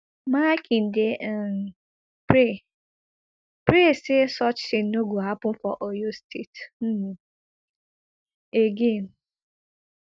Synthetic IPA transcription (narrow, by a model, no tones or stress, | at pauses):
makʰin̩de | pɾe | pɾesesɔt͡ʃsɪn̩noɡʷoapʊm̩fɔʔojostʰetm̩ | eɡen